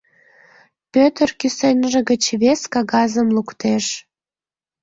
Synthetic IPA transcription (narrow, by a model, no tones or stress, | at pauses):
pøt̪ərkysenʲʒə̆ɣə̆t͡ɕβeskɑɣɑzəmlukt̪eʃ